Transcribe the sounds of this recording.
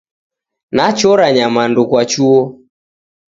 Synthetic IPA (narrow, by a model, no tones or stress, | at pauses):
nat͡ʃɔɾaɲamandukwat͡ʃuɔ